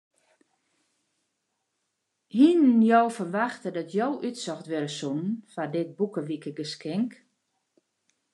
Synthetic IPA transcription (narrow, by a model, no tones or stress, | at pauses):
hinnjowfərʋaxtədɔtʰjowʔytsɔxtʋøɾəsunənfadɪt̚bukəʋikəɡəskɛŋk